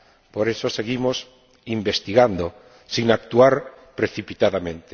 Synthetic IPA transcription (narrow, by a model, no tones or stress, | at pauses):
poɾesoseɣimos | imbest̪iɣand̪o | siŋak̚t̪uaɾ | pɾeθipit̪aðamẽnt̪e